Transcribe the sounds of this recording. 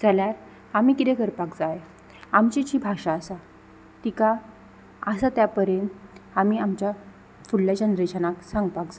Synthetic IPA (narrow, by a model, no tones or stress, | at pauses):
d͡zʱaljaɾ | amiːkit̪ekəɾpakd͡zaje | amt͡ɕit͡ɕiːbʱaʂaːsa | t̪ika | əsat̪japəɾenamiːamt͡ɕja | fulːjad͡ʑanɾeɕanaksaŋɡpakd͡za